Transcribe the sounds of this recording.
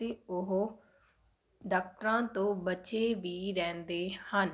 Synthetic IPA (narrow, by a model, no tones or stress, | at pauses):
eːʊɦ | ɖaːk̚ʈəɾãːt̪õːbət͡ʃeːʋiːɾɛ̃ːnd̪eːhən